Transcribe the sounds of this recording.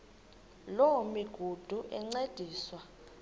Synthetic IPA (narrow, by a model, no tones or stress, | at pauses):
lomiɡ̥ʱud̥ʱuʔɛŋ͡ǀed̥ʱiːswa